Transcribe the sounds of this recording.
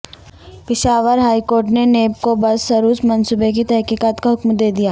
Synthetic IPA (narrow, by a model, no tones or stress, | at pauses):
pɪʃaːʋəɾɦaːikoːɾʈ̬neneːb̚kobɐsːɐɾuːsmɐnsubek̬it̪ɛɦkiːkaːt̪kaɦʊkmd̪eːd̪ijaː